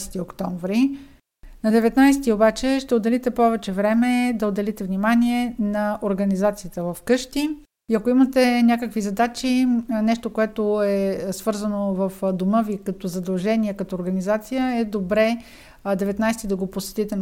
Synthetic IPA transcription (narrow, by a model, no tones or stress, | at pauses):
st̪iokt̪ɔɱvɾi | nɐd̪ɛvɛt̪najsɛt̪iobat͡ʃɛʃt̪ɛod̪ɛlit̪ɛpɔvɛt͡ʃɛvɾɛmɛd̪ɐod̪ɛlit̪ɛvnimaniɛnɐoɾɡɐnizat̪sijət̪əvɐfkɤʃt̪i | iɐkoimət̪ɛnʲakəkvizɐd̪at͡ʃinɛʃt̪okoɛt̪oɛsvɤɾzənovəfd̪oməvikɐt̪ɔzɐd̪ɐlˠʒɛniɛkɐt̪ɔoɾɡɐnizat̪sijəɛd̪obɾɛ | d̪ɛvɛt̪najsɛt̪id̪ɐɡoposɛ̥t̪it̪ɛn